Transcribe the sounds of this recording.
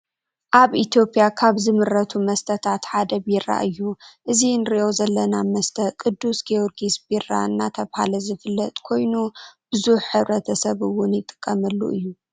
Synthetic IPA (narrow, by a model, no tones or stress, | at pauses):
ʔaβʔit̪ijo̞pʼjakʰaβzɨmɨɾːɐt̪ʰumɐst̪ʰɐt̪ʰat̪ħad̪ɐbiɾa̰ʔɨjːuʔɨzinɾiʔo̞zɐlːɐnamɐst̪ʰɐkʼɨd̪ːusɡioɾɡisbira̰nːat̪ʰɐβhalɐzɨfɨlːɐt̪ʼkʰo̞jnub̥ɨzuħːɨβɾɐt̪ʰɐsɐβɨwʊnjɪt̪ʼɨ̥kʼːɐmɐlːṵʔɨjːu